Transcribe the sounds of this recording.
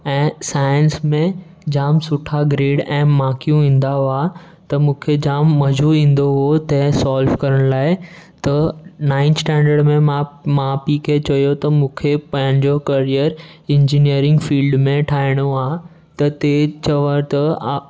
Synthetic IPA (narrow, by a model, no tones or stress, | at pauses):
ɛ̃ːsaːjə̃nsmẽ | d͡ʑaːmsʊʈʰaɡɾeːɽɛ̃ːmaːkijũʋĩːn̆d̪aɦoa | t̪ɐmũːkʰed͡ʑaːmːɐd͡ʑʱuʋĩːn̆d̪oɦot̪ɛ̃ɦsaːlfkɐɾəɽ̃laːɪt̪ɐnãːɪnsʈɛ̃ːɳɖəɾɖmẽmãmãpikʰet͡ɕɐjot̪ɐmũːkʰepɐ̃ɦɪ̃ɲd͡ʑokɐɾiəɾɪ̃ɲd͡ʑinijəɾɪ̃ŋɡfiːlɖmẽʈʰaːɪɽ̃oaː | t̪ɐt̪et͡ɕɐʋəɾt̪ɐ